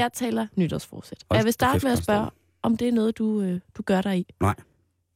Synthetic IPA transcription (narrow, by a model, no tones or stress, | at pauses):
jɑ̈ɪt͡sʰɛ̰ːlɐnyd̥ɐsfɒ̰ːd̥sed̥jɑʋe̝sd̥ɑ̥̈ːəmeæsb̥ɶɐ | ɒ̽md̥e̝æɐnɔːð̞̩ˠd̥uød̥uɡ̥ɶɐɾ̥ɑ̈ɪi